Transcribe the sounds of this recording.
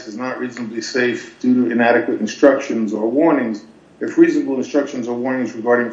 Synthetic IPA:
sɨznəʔ̚ɹiznəblˠiseɪfd̥ʉɾuɨ̃næɾɨkwɨɾɨ̃n̩stɹ̥ʌkʃɨ̃nzə˞wɔɹnɪ̃ŋz | ɨfɹiznəbl̩ˠə̃nstɹ̥ʌkʃɨ̃n̩zə˞wɔɹnɪ̃ŋzɹɨɡɑɹɾɪ̃ŋ

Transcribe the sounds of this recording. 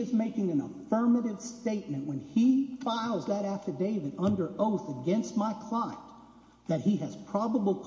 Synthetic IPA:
ɨzmeɪkɪ̃ŋɨ̃nəfɜ˞mɨɾɨd̥steɪt̚mɨ̃nʔwɨ̃nifaɪl̩ˠzðɨɾæftə˞deɪvɨɾʌ̃ndə˞ʔoʊθɨɡɛ̃nst̚maɪkʰl̥ãɪ̃n | ðɨt̚hiɨz̥pʰɹ̥ɑbəbl̩ˠkʰ

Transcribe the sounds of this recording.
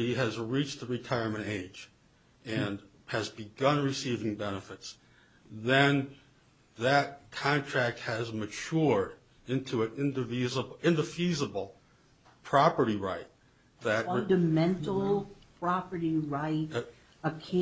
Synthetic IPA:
iɨzɹit͡ʃðəɹɨtʰaɪə˞mɨ̃ñeɪd͡ʒ | ɨ̃n | ɨzbɨɡʌ̃nɹɨsivɪ̃ŋbɛnəfɨts | ðɨ̃n | ðɨt̚kʰɑ̃ntʰɹ̥æk̚t̚hɨzmɨt͡ʃʰʊɹɾ | ɪ̃ntʰuɨ̃nɪ̃ndɨvizəbɪ̃ndɨfizəbl̩ˠ | pʰɹ̥ɑpə˞ɾiɹaɪt̪̚ | ðɨt̚dɨmɛ̃ntl̩ˠpʰɹ̥ɑpə˞ɾiɹaɪt | əkʰ

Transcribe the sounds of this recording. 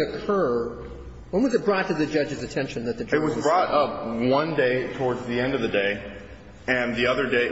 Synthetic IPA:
ɨkʰɜ˞ | wə̃nwʌzɨt̚b̥ɹɔtʰɨðɨd͡ʒʌd͡ʒɨzɨtʰɛ̃nʃɨ̃nðɨt̪̚ðɨɨt̚wʌzbɹɔɾʌp̚wʌ̃ndeɪtʰɔɹdzðiɛ̃ndʌvðɨdeɪ | ɨ̃nðiʌðə˞deɪ

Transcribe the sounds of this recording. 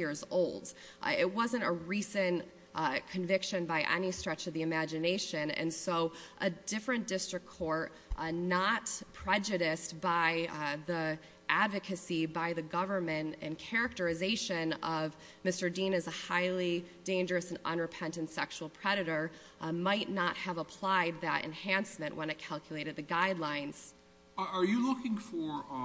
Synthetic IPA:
ɪɹzoʊlˠd | ɪt̚wʌzɨ̃ntəɹisɨ̃n | kʰɨ̃ɱvɪkʃɨ̃nbaɪʔɛ̰nistɹ̥ɛt͡ʃʌvðiɨmæd͡ʒɨneɪʃɨ̃nɨ̰̃nsoʊʔɨdɪfɹɨ̃nd̥ɪstɹ̥ɨkʰɔɹt | nət̚pʰɹ̥ɛd͡ʒɨɾɪstb̥aɪði | ʔædvɨkʰɨsibaɪðɨɡʌvə˞mɨ̃ntɨ̰̃nkʰɛɹɨk̚tə˞ɨzeɪʃɨ̃nʌv | mɪstə˞dĩnɨzəhaɪlˠid̥ẽɪ̃nd͡ʒə˞ɨsɨ̃n̩ʌ̰̃nɹɨpʰɛ̃ntɨ̃ntsɛkʃul̩ˠpʰɹ̥ɛɾɨɾə˞ | maɪtⁿnət̚həvəpʰl̥aɪd̪̚ðɨ̰ɾɨ̰̃nhæ̃nsmɨ̃nʔwə̃nɨt̚kʰælˠkʰjlˠeɪɾɨd̪̚ðɨɡaɪdˡlãɪ̃nz̥ | ə˞jɨlʊkɪ̃ŋfə˞

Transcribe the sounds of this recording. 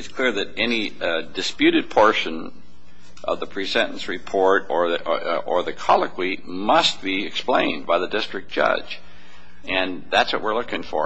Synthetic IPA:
ɨtskʰl̥ɪɹðɨɾɛnidɨspjʉɾɨd̚pʰɔɹʃɨ̃n | ʔʌ̰vðəpʰɹ̥isɛ̃ñn̩sɹɨpʰɔɹɾə˞ə˞ðɨkʰɑlˠəkʰwi | mʌst̚b̥iɨksplẽɪ̃nbaɪðɨdɪstɹ̥ɨk̚d̥ʒ̥ʌ̰̥d͡ʒ | ɨ̃nðætswʌ̰ʔ̚wɨɹlʊkɪ̃ŋfə̰˞

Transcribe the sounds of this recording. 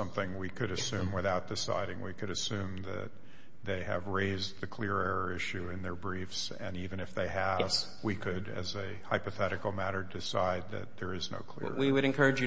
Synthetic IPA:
ʌ̃mθɪ̃ŋwikʰɨɾɨsʉ̃mwɨθaʊt̪̚d̥ɨsa̰ɪɾɪ̃ŋwikʰɨɾɨsʉ̃mðɨ̰t̪̚ | ðeɪɨ̰vɹeɪzðɨkʰl̥ɪɹɛɹə˞ɪʃʉɨ̃nðə˞bɹifs | ɨ̰̃nivɨ̃nɨfðeɪɨv | wikʰɨɾɨ̰zɨ | haɪpɨθɛɾɨkl̩ˠmæɾə˞dɨsaɪd̪̚ðɨ̰t̪̚ðə˞ɨzno̰ʊkʰl̥ɪ̰ɹwiwɨɾɨ̃nkʰɜ˞ɨd͡ʒɨ

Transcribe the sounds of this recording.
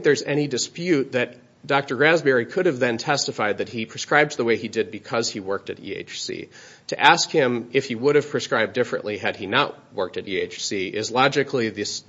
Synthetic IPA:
ŋ̚ðə˞zɛɾ̃idɨspjʉt̪̚ðɨt̚ | d̥ɑk̚tə˞ɡɹæzbɛɹikʰʊɾɨvðɨ̃ntʰɛstɨfaɪd̪̚ðɨt̚hipʰɹ̥ɨskɹaɪbzðəweɪidɨd̚bɨkʰʌz̥iwɜ˞k̚tɨɾḭḛɪt͡ʃsḭ | tʰɨʔæskhɪ̃mɪfhiwʊɾɨv̥pʰɹ̥iskɹaɪb̚dɪfɹɨ̰̃nʔliɨd̚inəʔ̚ | wɜ̰˞k̚tɨɾieɪt͡ʃsiɪzlɑd͡ʒɨkʰliðɨs

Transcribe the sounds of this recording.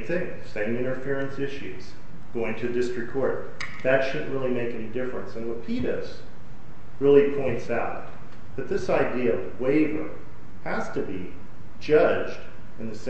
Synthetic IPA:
θɪ̃ŋ | sẽɪ̃mɪ̃ɾ̃ə˞fɪɹɨ̃nsɪʃʉz̥ | ɡ̥oʊɪ̃ŋtʰɨðɨdɪstɹ̥ɨkʰɔɹt̪̚ | ðɨtʃʊdⁿn̩ʔɹɪlˠimeɪkɛnidɪfɹɨ̃nsɨ̃nwəpʰiɾɨs | ɹɪlˠipʰɔ̃ɪ̃ntsaʊt̪̚ | ðɨt̪̚ðɪsaɪdiɨʌvweɪvə̰˞ | hæz̥tʰɨbi | d͡ʒʌd͡ʒd | ɨ̃nðɨs

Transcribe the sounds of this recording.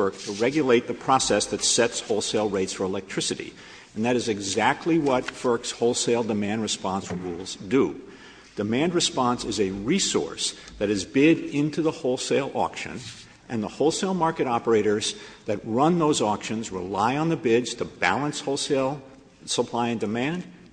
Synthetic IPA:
ɜ˞k̚tʰəɹɛɡjɨleɪt̪̚ðɨpʰɹ̥ɑsɛsðɨtsɛtshoʊlˠseɪlˠɹeɪtsfə˞əlɛk̚tʰɹ̥ɪsɨɾḭ | ɨ̃nðɨɾɨzɨɡzæk̚tʰˡliwʌtfɜ˞kshoʊlˠseɪlˠdəmæ̃nd̚ɹɨspɑ̃nsɹulˠzdə | d̥ɨmæ̃ndɹɨspɑ̃nsɨzɨɹisɔ̰ɹsðɨɾɨzbɪɾɪ̃ntʰʉðəhoʊlˠseɪlˠɔ̰kʃɨ̰̃n | ʔɨ̃nðəhoʊlˠseɪlˠmɑɹkɨɾɑpə˞eɪɾə˞zðɨt̚ɹʌ̃nðoʊzɔkʃɨ̃nzɹəlaɪə̃nðɨbɪdz̥tʰəbæ̰lˠə̃nshoʊlˠseɪlˠ | səpʰl̥aɪɨ̃ndɨmæ̃nd̥

